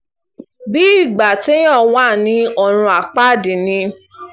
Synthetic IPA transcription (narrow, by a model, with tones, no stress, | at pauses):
bi˦i˦˨ɡ͡ba˨te˦j̃ɔ̃˦˨wa˦˨nĩ˧˦ɔ˧ɾ̃ũ˧a˨k͡pa˦˨dĩ˨nĩ˧˦